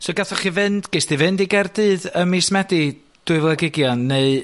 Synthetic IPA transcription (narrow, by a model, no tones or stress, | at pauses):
sɔɡaθɔχivɨnd̥ɡ̥ejsd̥ivɨndiɡɛrdɨːðəmismɛdi | d̥ʊɨvlˠɛɡɪɡjɔnːeɨ